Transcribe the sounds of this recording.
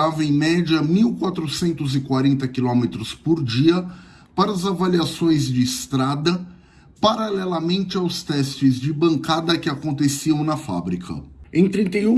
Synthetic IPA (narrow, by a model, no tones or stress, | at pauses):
avɐẽj̃mɛd͡ʒɐmiwkwat̪ɾʊsẽnt̪ʊzɪkwaɾẽnt̪ɐkilõmet̪ɾʊspoɾd͡ʒiɐ | paɾɐzavaliasõj̃zd͡ʒɪːst̪ɾad̪ɐ | paɾalɛlɐmẽnt͡ʃɪawst̪ɛst͡ʃɪzd͡ʒɪbɐ̃ŋkad̪ɐkɪakõnt̪esiɐ̃w̃nɐfa̰bɾikʰɐ̰ẽj̃t̪ɾĩnt̪ejũ